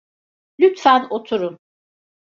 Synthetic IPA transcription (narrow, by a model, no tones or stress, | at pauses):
lʲyt̪fænot̪ʰuɾum